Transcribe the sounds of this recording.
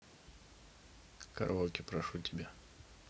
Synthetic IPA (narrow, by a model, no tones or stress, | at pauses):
kɐ̰ɾolˠkʲɪpɾɐʂutʲɪbʲa